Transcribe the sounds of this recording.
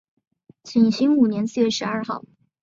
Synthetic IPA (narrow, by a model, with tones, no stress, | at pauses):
t͡ɕʰi˨˩ŋɕi˥ŋu˨˩njɛ˧˥nsɹ̩˥˧ɥɛ˥˩ʂɻ̩˧˥ɐ˞˥˧xɑ̰˥˩ʊ